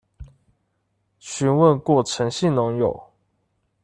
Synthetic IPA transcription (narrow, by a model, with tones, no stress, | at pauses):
ɕy˧˥nwə˥˨nkwɔ˥˩ʈ͡ʂʰə˧˦ŋɕi˥˨nnʊ˧˥˦ŋjo˨˩ʊ